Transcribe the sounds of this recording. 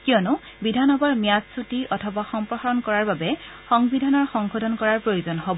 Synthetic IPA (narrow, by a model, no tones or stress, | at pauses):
kiɔnʊ | bidʱanɔbɔɹmijazsutiʔɔtʰɔbaxɔmpɹɔxaɹɔnkɔɹaɹbabɛ | xɔŋbidʱanɔɹxɔŋkɔdʱɔnkɔɹaɹpɹojozɔnɦɔbɔ